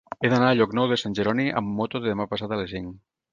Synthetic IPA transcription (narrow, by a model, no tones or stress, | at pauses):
eðanaːʎɔknɔwðesanʲʒeɾɔniʔə̰mːot̪oðeðemapasat̪alesiŋ